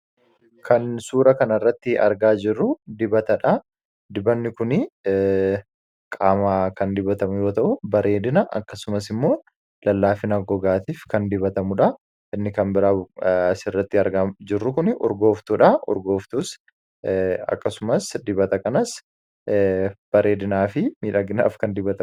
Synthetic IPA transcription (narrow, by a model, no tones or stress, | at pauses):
kʰɐnsuːɾɐkɐnɐrːɐt̪ːɪʔɐ̰ɾɡaːd͡ʒɪrːʊd̪ɪbɐt̪ɐᶑɐ | d̪ɪbɐnːɪkʊnɪ | kʼaːmaːkɐnd̪ɪbɐt̪ɐmʊjo̞ːt̪ɐʔʊbɐɾʔe̞ːd̪ɪnɐʔɐ̰kːɐsʊmɐs̬ɪmːo̞ː | lɐlːaːfɪnɐɡɔɡaːt̪iːfkɐnd̪ɪbɐt̪ɐmʊᶑɐ | ʔɪnːɪkɐmbɪɾaːɐsɪrːɐt̪ːɪɐɾɡɐmd͡ʒɪrːʊkʊnɪʔɔ̰ɾɡo̞ːft̪uːᶑɐʔɔ̰ɾɡo̞ːft̪us | ɐ̰kːɐsʊmɐsd̪ɪbɐt̪ɐkɐnɐs | b̥ɐɾe̞ːd̪ɪnaːfɪmiːᶑɐɡɪna̰ːfkɐnd̪ɪbɐt̪ɐm